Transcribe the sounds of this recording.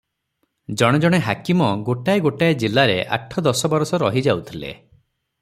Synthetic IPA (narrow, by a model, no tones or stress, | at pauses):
d͡ʒɔɽ̃ɔd͡ʒɔɽ̃eɦakimɔɡoʈajɡoʈaed͡ʒilaɾḛʔa̰ʈʰɔd̪ɔsɔbɔɾɔsɔɾɔɦid͡ʒawt̪ʰilḛ